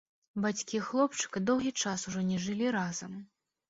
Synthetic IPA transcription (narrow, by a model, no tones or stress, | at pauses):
bat͡sʲkʲixlˠɔpt͡ʂɨ̥kɐd̪ɔwɣʲit͡ʂasuʐɔnʲɛʐɨlʲiɾazɐm